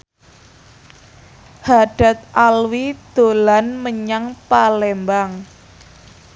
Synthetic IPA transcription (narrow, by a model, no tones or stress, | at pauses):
haɖ̥a̤t̪̚ʔalwid̪̥o̤lanməɲaŋpalembaŋ